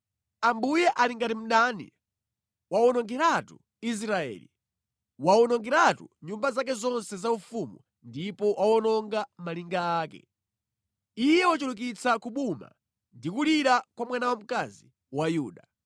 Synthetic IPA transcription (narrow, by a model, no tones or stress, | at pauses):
ambujɛʔaliŋɡatim̩ɗaːnḭ | waɔnɔŋɡɛɾatu | is̬ɾaɛ̰ːlḭ | waɔnɔŋɡɛɾatṵɲumbazak̬ɛzɔnsɛzaufumu | ndipɔwʔawɔnɔŋɡamaliŋɡaːkɛ̰ | ijɛwɔt͡ʃuluk̬it͡sakuɓuma̰ | ndikuliɾakwamwanawam̩kazi | wajuːɗa